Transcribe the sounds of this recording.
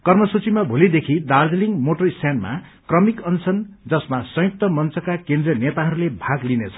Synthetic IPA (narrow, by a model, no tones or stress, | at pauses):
kʌrmʌsut͡simabʱolid̪ekʰid̪ard͡zliŋɡmoʈʌrist̪ʰjanma̰ | krʌmikʌnt͡sʰʌnd͡zʌsmasʌ̃juk̚t̪ʌmʌnt͡sʌkakend̪rijʌnet̪aɦʌɾulebʱaɡlinet͡sʰʌ̥